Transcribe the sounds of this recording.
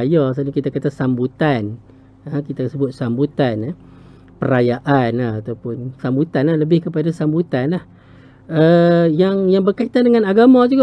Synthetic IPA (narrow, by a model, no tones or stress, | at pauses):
jɔs̬anakit̪akat̪asambut̪an | əkit̪asəbʊt̪̚sambut̪an | pəɾajaʔanahat̪awpʊnsambut̪anlahləbɪhkəpadasambut̪anlah | əjaŋjaŋbərkait̪andəŋãnaɡamãd͡ʒuɡa